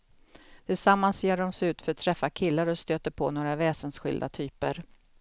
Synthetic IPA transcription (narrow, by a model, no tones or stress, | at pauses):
t̪ʰɪlsamːanseːɖɔmsɛʉ̟ːt̪fœɾat̪ʰːɾɛfːakʰɪlːaɾɔst̪øːt̪əɾpʰoːnoːɾavɛːsənsɧɪ̰ld̪a̰t̪ʰyːpə̰ɾ